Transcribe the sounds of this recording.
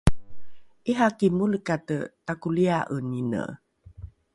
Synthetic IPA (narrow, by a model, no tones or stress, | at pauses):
ʔiɦakimuləkatətakuliaʔənːinə̰